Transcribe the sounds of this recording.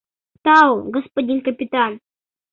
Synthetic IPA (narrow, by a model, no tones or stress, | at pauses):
t̪awɡəspodʲinkɐpʲit̪an